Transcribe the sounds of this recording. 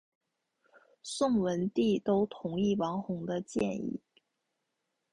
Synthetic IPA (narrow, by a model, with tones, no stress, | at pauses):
sʊ˥˩ŋwə˧˥nt̪i˥˩t̪o˥ʊt̪ʰʊ˧˥ŋi˥˩wɑ˧˥ŋxʊ˧˥ŋd̪ə˧t͡ɕjɛ̰˥˧nḭ˥˩